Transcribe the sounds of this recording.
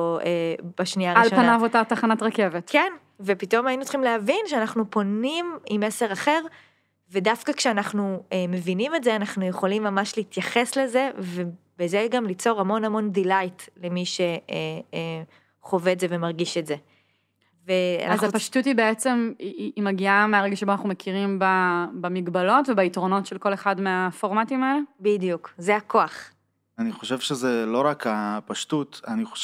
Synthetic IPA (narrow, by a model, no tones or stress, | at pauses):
eb̥aʃniaʁialʃopannavotat̪aχanatʁakevet̪ken | vepito̞majinut͡sχimleavinʃeanaχnupo̞nimimese̞ʁaχe̞ʁ | vedafkakʃeanaχnueme̞vinime̞tzeanaχnujeχo̞limːamaʃleit̪jaχe̞sle̞ze̞ve | b̥ezeɡamlit͡so̞ʁamo̞namo̞ndilajtle̞miʃe̞e | χo̞veːzeve̞maʁɡiʃeze̞ | vea̰nazapaʃtutibeet͡se̞miːmaɡiameaʁeɡaʃeboanaχnumekʰiʁimbabamiɡbalo̞tvebaitʁo̞no̞tʃelko̞le̞χadmeafo̞ʁmatimaelebidijukzeako̞aχ | aniχo̞ʃevʃezelo̞ʁakapaʃtutaniχo